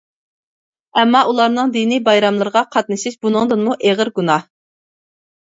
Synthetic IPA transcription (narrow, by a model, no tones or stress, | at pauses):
ɛmːɑʔulˠɑɾnɨŋd̪inijbɑjɾɑmlˠɨɾəʁɑqʰɑt̪̚nɨʃɪʃbunɨŋd̪ɨnmuʔeʁəɾɡunɑ